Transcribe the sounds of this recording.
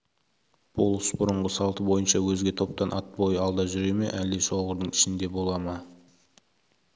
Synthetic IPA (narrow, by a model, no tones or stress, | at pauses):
b̥olˠəsbʊɾəɴʁəsɑlˠt̪əbo̞jənʃɑwɵzɡʲe̞t̪ʰo̞p̚t̪ɑnʔɑt̪̚bo̞jəɑlˠd̪ɑʒʏɾe̞meʔæld̪e̞ʃo̞ʁəɾd̪əɴɪ̥ʃɪnd̪e̞bo̞lˠɑmɑ